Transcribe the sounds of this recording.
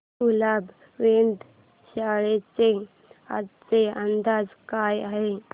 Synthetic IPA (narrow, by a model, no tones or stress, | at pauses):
ulab | ʋend̪ | ɕaɭet͡se | a̰t͡seənd̪ad͡zkajaɦe